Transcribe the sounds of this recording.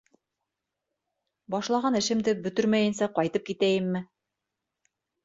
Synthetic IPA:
bɑʃlˠɑʁɑnɘ̆ʃɘ̆md̪ɘbɵ̆t̪ɵɾmæjɘ̆nsæqɒjt̪ɤp̚kit̪æjɘmːɘ

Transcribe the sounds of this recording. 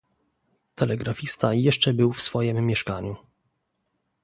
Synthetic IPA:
t̪ʰɛlɛɡɾafʲist̪ajɛʂt͡ʂɛbɘwfsfɔjimːʲjɛʂkaɲu

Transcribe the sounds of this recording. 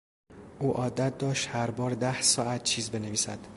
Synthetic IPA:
ʔuːʔɒːd̪æt̪̚d̪ɒːʃt̪hæɾbɒːɾd̪æhsɒːæt̪̚t͡ʃʰiːzbe̞neviːsæ̰d̪̥

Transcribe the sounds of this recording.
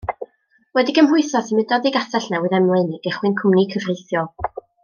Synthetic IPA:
wɛdiɡəmɦʊɨθɔsimɪdɔðiɡasɛɬnawɨðɛmlˠɨnɡ̥ɛχwɨnkʰʊmnikʰəvrejθjɔlˠ

